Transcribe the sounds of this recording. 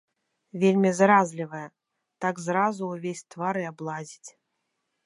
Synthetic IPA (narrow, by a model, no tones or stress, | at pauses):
vʲelʲmʲizɾazlʲivɐjɐ | t̪aɡzɾazuwvʲesʲt̪vaɾɨablˠazʲit͡sʲ